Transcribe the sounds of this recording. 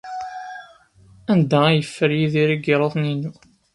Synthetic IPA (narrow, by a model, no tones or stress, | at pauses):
ænd̪ææjəfːəɾjiðiɾiɡiɾˤoðˤninu